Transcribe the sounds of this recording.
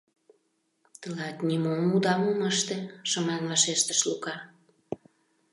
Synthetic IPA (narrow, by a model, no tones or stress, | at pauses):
t̪əlɑt̪nʲimomud̪ɑmuməʃt̪eʃəmɑnvɑʃeʃt̪ə̥ʃlukɑ